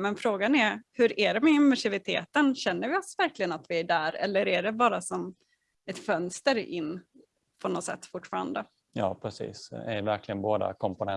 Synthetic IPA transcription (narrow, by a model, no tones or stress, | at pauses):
mɛnfɾoːɡanæɾhɵɾæɖɛmɛɪnvæʂɪvɪt̪ʰḛːt̪ənɕɛnːəɾvɪɔsvæɾklɪɡənat̪vɪæɖæːɾɛ̰lːəɾæɖɛbɑːɾasɔm | ɛt̪fœnst̪əɾɪ̰nː | pʰɔnɔt̪sɛ̰t̪ːfʊʈːfɑːɾa̰nd̪ə | jɑ̰ːpʰɾɛsḭːsɛ̰ɾvæɾklɪɡənboːd̪a̰kʰɔmpʊnɛ